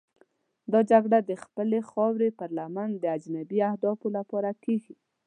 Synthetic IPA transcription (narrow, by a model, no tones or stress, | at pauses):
d̪ɑd͡ʒaɡɽad̪əxpəlexɑwɾepəɾlamand̪əad͡ʒnabiahd̪ɑfolapɑɾakeɡi